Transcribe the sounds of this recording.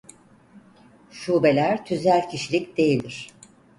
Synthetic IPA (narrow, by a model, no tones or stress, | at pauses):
ʃuːbe̞lʲæɾt̪ʰyzælʲcʰiʃilʲicd̪e̞jilʲd̪iɾ̥